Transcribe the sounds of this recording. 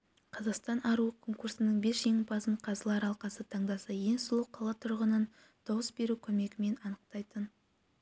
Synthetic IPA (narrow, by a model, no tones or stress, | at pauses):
qʰɑzɑqst̪ɑnʔɑɾuəkʰo̞ŋkuɾsɪnəɴbe̞ʃʒe̞ŋɪpʰɑsəɴqʰɑzəlˠɑɾɑlˠqɑsət̪ʰɑɴd̪ɑsɑje̞nsʊlˠəqʰɑlˠɑt̪ʰʊɾʁənən | d̪̥ɑwəsbe̞ɾukʲʰɵme̞ɡʲɪme̞nɑnəq̚t̪ɑjt̪ən